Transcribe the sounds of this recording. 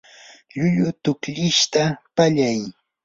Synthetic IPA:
ʎʊʎʊt̪ʊkʎɪʃt̪apaʎaj

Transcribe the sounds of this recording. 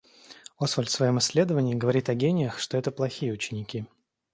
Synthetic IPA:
osfəlʲfsvɐjo̞mɪsʲːlʲe̞d̪əvənʲɪːɡəvɐɾʲit̪ɐɡʲenʲɪjəxʂt̪oɛt̪əplˠɐxʲijəʊt͡ɕɪnʲɪkʲi

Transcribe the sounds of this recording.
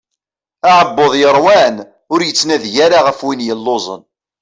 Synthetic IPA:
aʕəbːoðˤjəɾˤwæn | ʊɾjət͡sːnæðʝaɾaʁəfwinjəlːozˤə̰n

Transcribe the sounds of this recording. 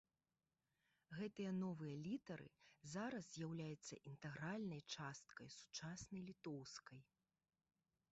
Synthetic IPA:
ɣɛt̪ɨjɐnɔvɨjɐlʲit̪ɐɾɨ̰zaɾɐzzʲjawlʲajɛt̪sːɐ̰ʔint̪ɛɣɾalʲnɐjt͡ʂast̪̚kɐjsu̥t͡ʂasnɐjlʲit̪ɔwskɐj

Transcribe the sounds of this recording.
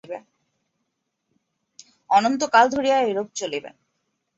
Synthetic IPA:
be | ɔnont̪okald̪ʱoɾiaeɾob̚t͡ɕolibḛn

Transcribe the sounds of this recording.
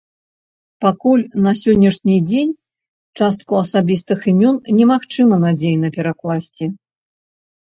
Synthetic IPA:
pakulʲnɐsʲɔnʲːɐʂnʲid͡zʲenʲ | t͡ʂast̪̚kuɐsabʲist̪ɨximʲɔnnʲɛmaxt͡ʂɨmɐnad͡zʲejnɐpʲɛɾaklˠasʲt͡sʲi

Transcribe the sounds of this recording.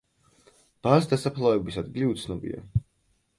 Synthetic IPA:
b̥asd̪asapʰlˠavɛbisad̪ɡiliut̪sʰnɔbḭa̰

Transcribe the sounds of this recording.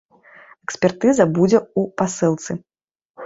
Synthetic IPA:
ɛksʲpʲɛrt̪ɨzɐbud͡zʲɛupasɨlˠt̪sɨ

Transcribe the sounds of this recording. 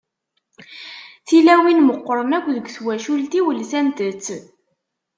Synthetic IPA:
θilæwinməqːəɾˤənækʷːðəɡʷswæʃult̪iwəlsænt̪ət͡sː

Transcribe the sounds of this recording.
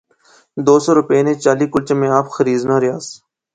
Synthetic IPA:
d̪oːsoːɾʊpeːnẽːt͡ʃaːliːkʊlt͡ʃːmẽːaːpxəɾiːznãːɾɪjaːs

